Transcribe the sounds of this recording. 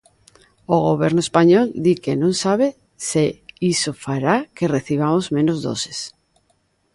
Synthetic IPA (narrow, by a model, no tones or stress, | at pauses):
oɣoβɛɾnʊespaɲɔld̪ikenõŋsaβ̞e | seisofaɾakereθiβ̞amozmẽnozðo̰se̥s